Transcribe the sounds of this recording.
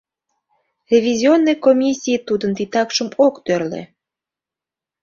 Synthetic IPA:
rʲevʲizʲionːejkomʲisʲːiit̪ud̪ənt̪it̪ɑkʃəmokt̪ørlḛ

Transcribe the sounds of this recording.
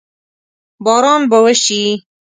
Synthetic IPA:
bɑːɾɑːnbəwɛʃiː

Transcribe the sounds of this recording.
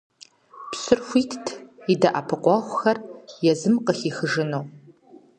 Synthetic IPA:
psɨrxʷitʰtʰidaʔapʰɨqʷʼɑχʷʊxɐrjɛzɨmqəχiːxəʒɨnow

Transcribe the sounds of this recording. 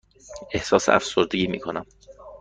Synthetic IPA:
e̞hsɒːsḛʔæ̰fsoɾd̪eɟiːmḭːkʰonæm

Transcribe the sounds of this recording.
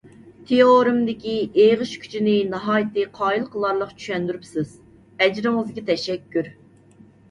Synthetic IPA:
t̪ʰeoɾɨmd̪ɪkʲieʁəʃkʲʰy̥t͡ʃʰinɪnɑɦɑːjt̪ʰɨqʰɑːjilˠqʰəlˠɑɾlˠəqt͡ʃʰy̥ʃɛnd̪yɾypsɪz̥ | ɛd͡ʒɾɨŋɨzɡʲit̪ʰɛʃɛkʲʰːyɾ

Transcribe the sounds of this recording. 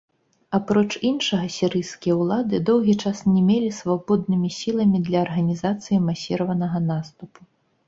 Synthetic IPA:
apɾɔt͡ʂinʂɐɣɐsʲiɾɨjskʲijɐwlˠad̪ɨd̪ɔwɣʲit͡ʂasnʲɛmʲelʲisvabɔd̪̚nɨmʲisʲilˠɐmʲid̪lʲɐːrɣɐnʲizat̪sɨjimasʲiɾɐvɐnɐɣɐnast̪upu̥

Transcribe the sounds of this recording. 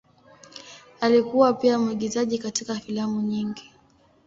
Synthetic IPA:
alikuwapiamuiɠizaʄikatikafilamuɲiŋɡi

